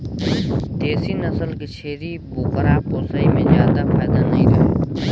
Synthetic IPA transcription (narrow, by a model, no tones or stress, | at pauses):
t̪eːsiːnəsəlket͡ʃʰeːɾiːboːkəɾaːpoːsaːiːmẽːzjaːd̪aːpʰɛːd̪aːnəĩːɾəḛː